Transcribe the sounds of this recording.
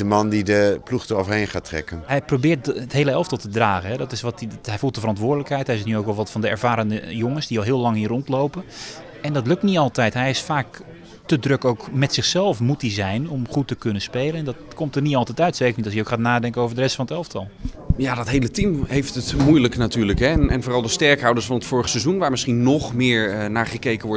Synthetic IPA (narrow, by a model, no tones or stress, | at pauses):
əmɑndidəpluxtəovəɹheːnχaːtrɛ̰kənɦɛjprowbɪːt̚ətɦejləɛlˠftɑlˠtədraːɣənɦɛdɔtɪsʋɔtɦɛjfulˠt̚əfərɑntʋʊːɹdələkhɛjtɦɛɪstnyowkʋɔlˠʋɑtfɑndəɛ̰ɹv̥aːɾəndəjoŋənsdiɔlˠɦɪəːlɑŋɦiərɔntlowpə | ɛndɔtlɵk̚tniɑlˠtɛjtɦɛjɪsfaːk | tədrøkowkmɛtsɪχsɛlˠfmutizɛjnomχutəkɵnənspeːlˠənɛndɔtkomtərniɑlˠtɛjtœɥtseːkərnitɔlˠsjəowkχaːtnaːdɛŋkənowvəɹdərɛstfɑnətɛlˠftʰɑlˠ | jadɔtɦejlətimhejftətmujləknatyːɹləkɦɛɛnvoːrɑlˠdəstɛɹkɦɑwdəsfɑnətfʊːɹəχəsɛzunʋaːɹmɪsχinnɔχmɪːɹnaːɹχəkejkəʋɔɹ